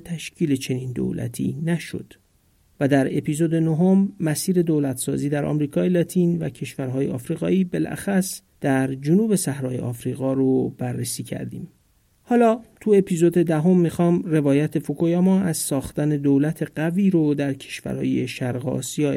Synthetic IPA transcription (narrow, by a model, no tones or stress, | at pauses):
t̪ʰæʃcʰiːle̞t͡ʃʰe̞niːnd̪o̰læ̰t̪ʰḭːnæʃo̰d̪̥ | væd̪æɾe̞pʰiːzoːd̪e̞noɦo̞mːæsiːɾe̞d̪oːlæt̪ʰsɒ̰ːziːd̪æɾʔɒ̰ːmɾiːkʰɒːjelɒːt̪ʰiːnvæ̰cʰe̞ʃvæɾɦɒːjeʔɒ̰ːfɾiːɣɒ̰ːiːbe̞lʔæ̰xæs | d̪̥æɾd͡ʒonuːbe̞sæhɾɒːjeʔɒːfɾiːɣɒːɾob̥ærːesiːcʰæ̰ɾd̪ḭːm | hɒːlɒːt̪ʰue̞pʰiːzod̪e̞d̪æɦo̞mːixɒːmre̞vɒːjæt̪ʰe̞fokʰojɒːmɒːæzsɒːxt̪æne̞d̪oːlæt̪ʰe̞ɢæviːɾod̪æɾcʰe̞̥ʃvæ̰ɾhɒ̰ːje̞ʃæɾɣ̰ɒ̰ːsijɒː